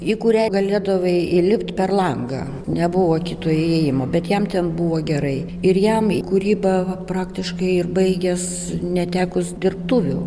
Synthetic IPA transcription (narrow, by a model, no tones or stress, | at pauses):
ikʊɾʲæɡɐlʲeːd̪ɐʋɐɪɪlʲɪpt̪pʲɛrlˠɐŋɡɑ̰ː | nʲɛbʊʋoːkʲit̪oːjeːjɪmoːbʲɛt̪jɛmt̪ʲɛnbʊʋoːɡʲɛɾɐɪ | ɪrjɛmikʊɾʲiːbɐʋɐprɑːkt̪ʲɪʃkɐɪɪrbɐɪɡʲɛs | nʲɛt̪ʲæːkʊsd̪ʲɪrpt̪uːʋʲʊ